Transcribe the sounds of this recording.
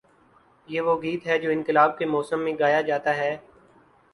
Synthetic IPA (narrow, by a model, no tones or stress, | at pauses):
jeːʋoɡiːt̪ɦɛd͡ʒoːɪ̃nk̪ɪlaːb̚kemɔːsəmːẽɡaːjad͡ʒaːt̪aɦɛː